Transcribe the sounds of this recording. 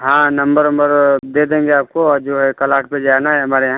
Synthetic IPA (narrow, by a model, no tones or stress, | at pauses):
ɦãːnɐ̃mbəɾəmbəɾd̪eːd̪ẽːŋɡeaːp̚koɔːɾd͡ʒoːɦɛkɐlaːʈ̚ped͡ʒaːnaɦɛɦɐmaːɾeɦãː